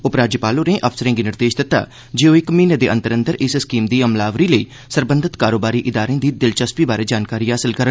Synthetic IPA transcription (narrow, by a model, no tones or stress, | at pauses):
ʊpɾaːd͡ʒəpaːloːneːʔəpʰsəɾẽːɡiːnɪɾd̪eːʃd̪ɪt̪ːa̰ː | d͡ʒeːoːɪkmiːned̪eːʔə̃nt̪əɾənd̪əɾɪsskiːmd̪iːəmlaːʋɾiːləiː | səɾbənd̪ʱɪt̪kaːɾoːbaːɾiːʔɪd̪aːɾẽːd̪iːd̪ɪlt͡ʃəspiːbaːɾeːd͡ʒaːnkaːɾiːɦaːsəlkəɾə